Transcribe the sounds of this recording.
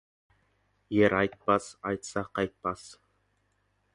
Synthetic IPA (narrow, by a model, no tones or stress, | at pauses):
jeɾɑjt̪̚pɑsɑjt̪sɑqɑjt̪̚pɑs